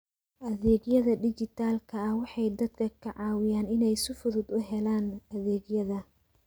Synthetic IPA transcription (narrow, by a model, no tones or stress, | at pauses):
ʔɐðɛːɡjɐðɐɖɪt͡ʃɪt̪ʰaːlkʰɐɐhwɑħɑjd̪ɐd̪kʰɐkʰɐʕɑːwɪjaːnɪnɛjsʊfʊðʊd̪ʊɦɛlaːnʔɐðɛːɡjɐðɐ